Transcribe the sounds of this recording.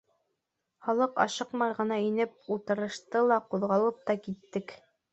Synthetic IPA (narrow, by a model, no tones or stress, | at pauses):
χɑlˠɤqɑ̰ʃɤqmɑɾʁɤ̆nɑinɘp̚ulˠt̪ɤ̆ɾɤ̆ʃt̪ɤlˠɑquðʁɑlˠɤp̚t̪ɑkit̪ːɘk